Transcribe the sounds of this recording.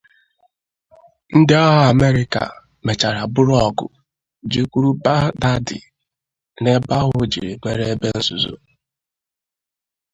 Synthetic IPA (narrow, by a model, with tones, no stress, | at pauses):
n̩˦dɪ˦ɔ˦ɦa˦a˨me˦ɾɪ˨ka̰˨ | me˨t͡ʃa˨ɾa˨bʊ˦ɾʊ˦ɔ˦˨ɡʊ̰˨ | d͡ʒi˦kʷu˦ɾu˦ba˦da˦dɪ̰˨ | ne˦ba˦ɣʊ˨d͡ʒḭ˨ɾi˨me˨ɾe˦e˦be˦n̩˦zu˨zṵ˦